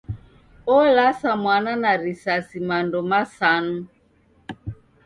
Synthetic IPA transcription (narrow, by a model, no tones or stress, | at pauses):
ɔlasamwananaɾisasimandɔmasanu